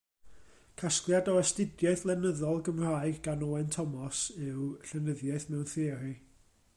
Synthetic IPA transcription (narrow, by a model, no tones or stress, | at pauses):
kʰasklˠjadɔɛstɪdjaɨθlˠɛnəðɔlˠɡəmr̥aːɨɡɡanɔɛntʰɔmɔsɨwɬɛnəðjaɨθmɛwnθeːri